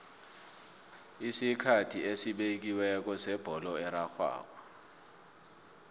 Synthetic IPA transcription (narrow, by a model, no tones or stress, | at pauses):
isikʰatʰiesiɓek̬iwɛk̬ɔsɛb̥ʱɔlɔɛɾaxwa̰ːk̬ɔ̥